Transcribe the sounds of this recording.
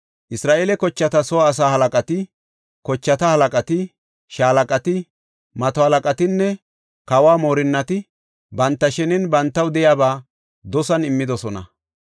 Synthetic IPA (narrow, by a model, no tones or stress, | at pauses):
ʔɪsɾaːʔeːlɛkɔt͡ʃːɐt̪ɐsɔːs̬aːhɐlɐkʼɐt̪ɪ | kɔt͡ʃːɐt̪ɐhɐlɐkʼɐt̪ɪ | ʃaːlɐkʼɐt̪ɪ | mɐt̪ɔhɐlɐkʼɐt̪ɪnːɛ | kɐwaːmo̞ːɾɪnːɐt̪ɪ | bɐnt̪ːɐʃɛnɪnbɐnt̪ːɐwd̪ɛjaːbaː | d̪ɔsɐnɪmːɪd̪ɔsɔnɐ̰